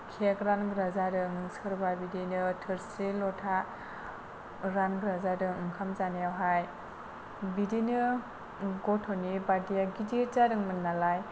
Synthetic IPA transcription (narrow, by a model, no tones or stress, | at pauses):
kʰekɾanɡɾazadɯŋɯŋsɯɾbabidinɯtʰɯɾsilɔtʰa | ɾanɡɾazadɯŋɯŋkʰamzanijawɦaj | bidinɯ | ɡɔtʰɔnibadijaɡidit͡ʃadɯŋmɯnːalaj